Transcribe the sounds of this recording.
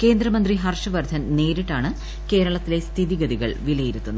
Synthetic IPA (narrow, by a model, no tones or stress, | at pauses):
ke̞ːnd̪ɾɐmɐnd̪riɦɐrʂɐʋɐrd̪ʱɐnne̞ːɾiʈːaːɳɨ | ke̞ːɾɐɭɐt̪ːile̞st̪ʰiðiɡɐd̪iɣɐ̰ɭʋilɐjiɾut̪ːunːɐ